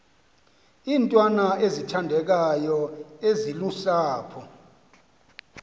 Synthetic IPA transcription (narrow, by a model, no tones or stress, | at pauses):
iːntʼwanaezitʰandʱɛk̬ajɔezilusaːpʰɔ